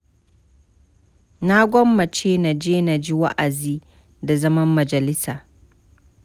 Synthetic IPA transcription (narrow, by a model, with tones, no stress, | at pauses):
na˦ɡʷɔ˦mːa˨t͡ʃʰeː˦na˨d͡ʒeː˦na˨d͡ʒɪ˦wa˦ʔa˨zi˦ | da˨zɐ˦ma˦mːa˨d͡ʒa˨lɪ˦sa˨